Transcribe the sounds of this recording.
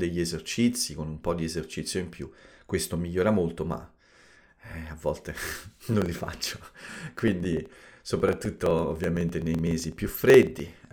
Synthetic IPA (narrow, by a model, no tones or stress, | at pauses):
d̪eʎːiezert͡ʃit̪sːikonumpɔd̪iezert͡ʃit̪sːjoimpjukːwest̪omiʎːoːɾamolt̪oma̰ | ɛavːɔlt̪enonlifa̰t͡ʃːo̥kwind̪isopɾat̪ːut̪ːoo̰vːjament̪enejmeːzipjufːɾed̪ːi